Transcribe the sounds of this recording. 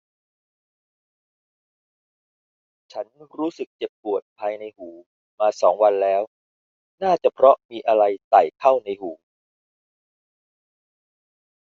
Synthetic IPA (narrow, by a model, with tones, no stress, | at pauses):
t͡ɕʰa˦˥nɾuː˦˥sɯ˨˩k̚t͡ɕe˨˩pːu˨˩ət̪̚pʰaː˧jna˧jhuː˩˦ | maː˧sɔː˩˦ŋwa˧nlɛː˦˥w | naː˥˩t͡ɕa˨˩pʰɾɔ˦˥miː˧ʔa˧ɾa˧jt̪a˨˩jkʰa˥˩wna˧jhuː˩˦